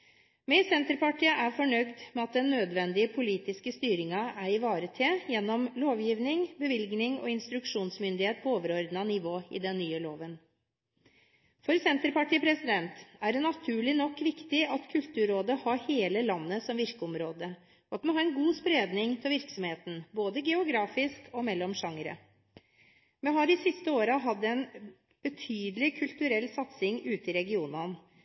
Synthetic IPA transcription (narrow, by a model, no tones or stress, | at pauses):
mɛsɛnt̪əɾpɑʈiːəʔæɾfɔɳœɡd̪mɛɑt̪̚d̪ɛnːøːd̪ʋɛnd̪ɪəpʰʊliːt̪ɪskəst̪yːɾɪŋɑæɾɪʋɑːɾət̪ʰɪjɛnːɔmloːʋjiːʋnɪŋbəʋɪlɡnɪŋɔ̰ɪnst̪ɾʉkʂuːnsmʏnd̪ɪheːt̪̚pʰɔoːʋəɾɔɾd̪nɑnɪʋoːɪ̰d̪ɛnːyːəloːʋən | fɔɾsɛnt̪əɾpɑʈiːəpʰɾɛsɪd̪ɛnt̪æɖɛnɑt̪ʰʉːɭɪnɔkːʋɪkt̪ɪɑt̪kʰʉlt̪ʉːɾoːd̪əhɑɾheːləlɑnːəsɔmʋɪɾkəɔmɾoːd̪ə | ɔɑt̪mɛnɦɑːɾɛnɡuːspɾeːd̪nɪŋt̪ʰɪlʋɪɾksɔmheːt̪n̩boːd̪əɡɛʊɡɾɑːfɪskʰɔmɛlːɔmʂɑŋəɾə̰ | mɛɦɑɾɪsɪst̪əoːɾəɦɑd̪ːəɛn | b̥ət̪ʰyːd̪əlɪkʰʉlt̪ʉɾɛlsɑt̪sɪŋʉːt̪əɪɾɛɡɪuːnən